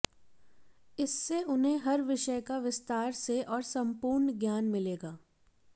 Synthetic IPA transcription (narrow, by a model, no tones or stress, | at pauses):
ɪsːeʊnɦẽɦɐɾʋɪʃəjkaʋɪst̪aːɾseʔɔːɾsɐ̃mpuːɾnɡjaːnmɪleːɡaː